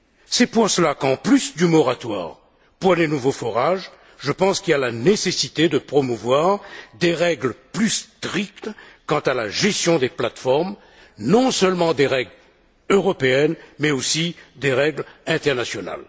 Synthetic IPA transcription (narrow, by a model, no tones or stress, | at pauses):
sɛpuʁsəlakɑ̃plysd̪ymɔʁat̪wa̰ːʁ | puʁlenuvofɔʁaʒ | ʒəpɑ̃skʲilalanesesit̪ed̪əpχɔmuvwaʁd̪eʁɛɡlplyst̪χik̚t̪kɑ̃t̪alaʒɛst̪jɔ̃d̪eplat̪fɔʁm | nɔ̃sœlmɑ̃d̪eʁɛɡl | øʁɔpeɛnmɛosid̪eʁɛɡlɛ̃t̪ɛʁnasjɔna̰l